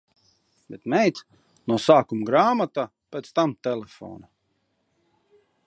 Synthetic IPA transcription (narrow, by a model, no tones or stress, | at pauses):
bɛt̪mɛjt̪ | nuɔsaːkumɡɾaːmat̪aː | pʲeːt̪st̪amt̪ɛlɛfɔ̰ːna